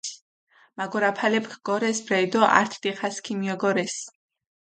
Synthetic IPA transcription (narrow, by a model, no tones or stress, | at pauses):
maɡɔɾapʰalɛpkʰɡ̥ɔɾɛsbɾɛjd̪ɔʔa̰ɾt̪ʰd̪iχaskʰimijɔɡɔɾɛs